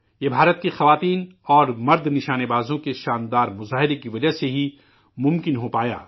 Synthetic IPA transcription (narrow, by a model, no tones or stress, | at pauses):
jebʱaːɾət̪̚kexɐʋaːt̪iːnɔːɾmɐɾd̪nɪʃaːnebaːzõkeʃaːnd̪aːɾmʊzaːɦɪɾekiʋɐd͡ʒaɦseɦi | mʊ̃mkɪnɦopaːja̰ː